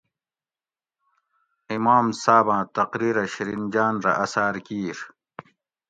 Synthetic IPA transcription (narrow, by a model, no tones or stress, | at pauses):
imaːmsaːbãːt̪ɐqɾiːɾɐɕiɾind͡ʑaːnɾɐ̰ʔɐsaːɾkiːʂ